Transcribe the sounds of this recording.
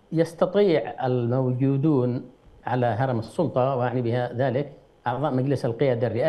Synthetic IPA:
jɑst̪ɑt̪ˤiːʕalmawd͡ʒuːd̪uːnʕalaɦɑɾˤɑmɑsˤːʊlt̪ˤɑwʔaʕnibɪhaðaːlɪk | ʔɑʕðˤɑːʔmad͡ʒlɪsalqɪjaːd̪arːɪʔaː

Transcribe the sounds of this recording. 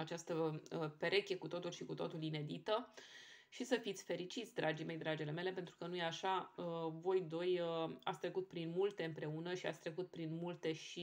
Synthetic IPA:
at͡ʃast̪əpe̞ɾʔe̞kʲjekut̪o̞t̪ulʃikut̪o̞t̪uline̞d̪it̪ə | ʃisəfit̪sʲfe̞ɾit͡ʃit̪sʲd̪ɾʔad͡ʒime̞jd̪ɾad͡ʒele̞me̞le̞p̬e̞nt̪ɾukənuje̞aʃaəvo̞jd̪o̞jəa̰t̪sʲt̪ɾekut̪̚pɾinmult̪e̞ɨmpɾe̞unəʃia̰t̪sʲt̪ɾekut̪̚pɾinmult̪e̞ʃi

